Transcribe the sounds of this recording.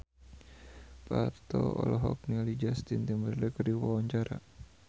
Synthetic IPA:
pat̪ɔɔ̰lɔɦɔk̚nilid͡ʒast̪int̪imbəɾlɛkərdiwawaɲt͡ʃaɾa̰

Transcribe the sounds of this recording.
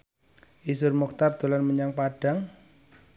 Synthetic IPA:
ʔisʊrmɔk̚t̪ard̪̥o̤lanməɲaŋpaɖ̥a̤ŋ

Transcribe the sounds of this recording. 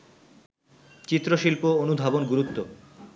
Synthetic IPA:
t͡ɕit̪ːɾoʃilpoonub̪ʱabonɡuɾut̪ːo

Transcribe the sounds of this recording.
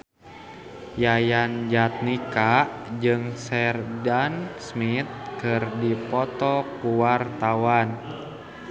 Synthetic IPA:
jajand͡ʒat̪̚nikaʔd͡ʒɨŋsɛrdansmit̪̚kɨrdipɔt̪ɔkuwart̪awan

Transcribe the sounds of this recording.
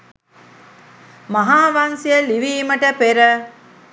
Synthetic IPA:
mɐɦaːʋansijəliʋiːməʈəpeɾə

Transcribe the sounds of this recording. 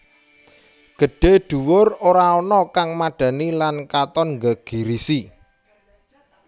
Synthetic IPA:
ɡ̥ə̤ɖ̥e̤ɖ̥ṳwʊroɾaɔnɔkaŋmaɖ̥ä̤nilankat̪ɔnŋɡəɡ̥i̤ɾisi

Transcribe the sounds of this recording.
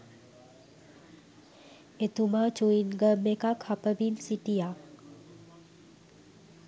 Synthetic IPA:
et̪umat͡ʃuinɡəmːekakhapəbinsiʈija

